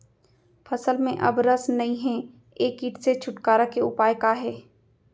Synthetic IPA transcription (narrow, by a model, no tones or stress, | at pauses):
fʰɐsəlmẽʔɐ̰bɾəsnɐĩɦɛ | eːkiːʈset͡ʃʰʊʈkaːɾakeʊpaːjkaɦɛː